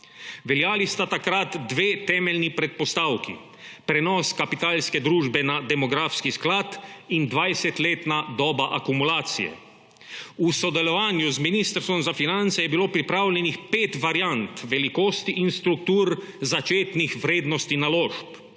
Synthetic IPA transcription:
ʋɛljaːlist̪at̪akɾat̪d̪ʋeːt̪ɛːmɛlnipɾɛt̪̚pɔst̪awkḭ | pɾɛnɔːskapit̪aːlskɛd̪ɾuːʒbɛnad̪ɛmɔɡɾaːfskisklat̪ind̪ʋajsɛt̪leːt̪nad̪ɔːbaʔakumulaːt̪sḭjɛ̰ | usɔd̪ɛlɔʋaːnjuzminist̪əɾst̪ʋɔmzafinant̪sɛjɛbiloːpɾipɾaːwlʲɛnixpeːt̪ʋaɾjant̪ʋɛlikoːst̪iʔinst̪ɾuk̚t̪uːɾ | zat͡ʃeːt̪nixʋɾeːd̪nɔst̪inaloːʃp

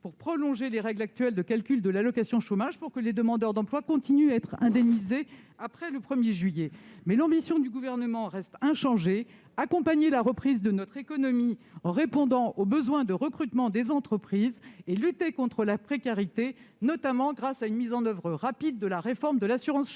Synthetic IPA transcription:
puʁpχɔlɔ̃ʒeleʁɛɡlak̚t̪ɥɛld̪əkalkʲyld̪əlalɔkasjɔ̃ʃomaʒpuʁkəled̪əmɑ̃d̪œʁd̪ɑ̃plwakɔ̃t̪inyaɛt̪χɛ̰̃d̪ɛmnizeapχɛləpχəmjeʒɥijɛmɛlɑ̃bisjɔ̃d̪yɡuvɛʁnəmɑ̃ʁɛst̪ɛ̃ʃɑ̃ʒe | akɔ̃paɲelaʁəpχizd̪ənɔt̪χekɔnɔmiɑ̃ʁepɔ̃d̪ɑ̃ʔobəzwɛ̃d̪əʁəkχyt̪mɑ̃d̪ezɑ̃t̪χəpχizelyt̪ekɔ̃t̪χəlapχekaʁit̪enɔt̪amɑ̃ɡʁasaynmizɑ̃nœvʁəʁapid̪ːəlaʁefɔʁmd̪əlasyʁɑ̃s

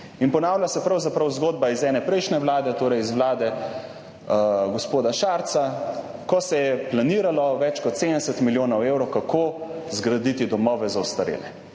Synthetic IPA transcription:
inpɔnaːwlʲjasɛpɾawzapɾɐwzɡoːd̪̚baizɛːnɛpɾɛjʃnɛʋlaːd̪ɛt̪oːɾɛjizʋlaːd̪ɛ | ɡɔspoːd̪aʃaɾt̪sa | kɔsɛjɛplaniːɾalɔʋɛt͡ʃkɔt̪seɛsɛt̪miljoːnɐwewɾɔwkakʰoːzɡɾad̪it̪id̪ɔmɔʋɛzaust̪aɾḛːlɛ

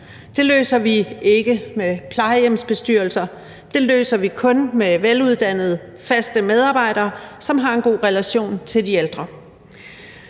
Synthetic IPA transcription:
d̥e̝lø̰ːsɐʋie̝ɡ̥əmepʰlɑ̈ɪəjem̰sb̥e̝sd̥yɐl̩sɐ | d̥e̝lø̰ːsɐʋikʰɔ̽nmeʋeluð̞ˠd̥æn̰ð̞̩ˠ | fæsd̥əmeð̞ˠɑ̈ːb̥ɑ̈ɪ̰ɾ̥ɐːsɒ̽mɦɑ̈e̝nɡ̥o̝̰ːʁɛlæɕo̝̰ːnt͡sʰe̝ld̥ield̥ʁɐ

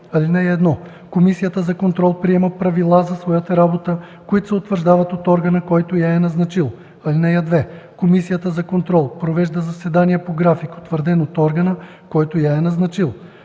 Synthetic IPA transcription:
ɐlinɛjɛd̪nɔ | komisijət̪əzɐkont̪ɾɔlˠpɾiɛmɐpɾɐvilˠazɐsvɔjat̪ɐɾabot̪ə | koit̪ʊ̥sɛot̪vəɾʒd̪avɐt̪ot̪ɔɾɡənəkɔjt̪ojaɛnɐznɐt͡ʃilˠ | ɐlinɛjad̪vɛkomisijət̪əzɐkont̪ɾɔlˠpɾovɛʒd̪əzɐsɛd̪aniɛpoɡɾafiko̥t̪vəɾd̪ɛnot̪ɔɾɡɐnə | kɔjt̪ojaɛnɐznɐt͡ʃilˠ

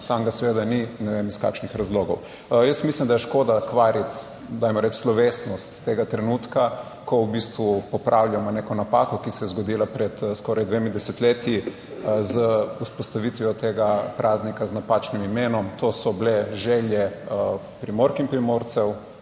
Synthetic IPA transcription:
t̪aŋɡasɛʋeːd̪aninɛʋemiska̰kʃnixɾazloːɡɔw | jəsmislimd̪ajɛʃkoːd̪akʋaːɾit̪ | d̪aːjmɔɾɛt͡ʃslɔʋest̪nɔst̪ːeːɡat̪ɾɛnut̪ka | kʰɔwbist̪ʋupɔpɾʔawlʲjamɔnekɔnapaːkɔkisɛjɛzɡɔd̪iːlapɾɛt̪skɔɾajd̪ʋemid̪ɛsɛt̪leːt̪ji | zəuspɔst̪aʋit̪ʋiɔt̪eɡapɾʔaːznikaznapaːt͡ʃnimimeːnɔmt̪oːsɔblɛʒɛljɛ | pɾimoɾkimpɾimoɾt̪sɛw

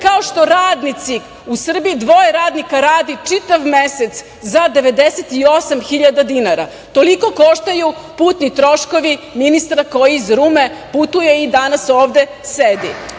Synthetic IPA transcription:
kaoʃt̪o̞ɾaːd̪nit̪si | usr̩biid̪ʋo̞jeɾaːd̪nikaɾaːd̪it͡ʂit̪aʋmeset̪s | zad̪e̞ʋe̞d̪eset̪io̞samxiʎad̪ad̪inaɾa̰ | t̪o̞liko̞ko̞ʃt̪aju | puːt̪nit̪ɾo̞ʃko̞ʋiminist̪ɾakojiizɾumeput̪uje̞id̪anasoːʋd̪e̞ | sed̪i

